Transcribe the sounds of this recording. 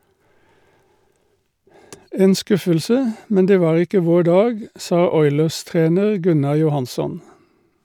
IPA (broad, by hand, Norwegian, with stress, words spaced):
ˈeːn ˈskʉfəlsə ˈmɛn ˈdeː ˈʋɑːʁ ˈɪkə ˈʋoː ˈɖɑːɡ ˈsɑː ˈɔʏləʁˌstʁeːnəʁ ˈɡʉnɑ jʊˈhɑnsɔn